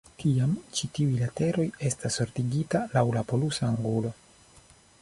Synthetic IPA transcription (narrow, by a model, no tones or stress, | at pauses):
tiamt͡ʃitiujlate̞ɾo̞je̞stasoɾtiɡitalawlapo̞lusaːŋɡulo̞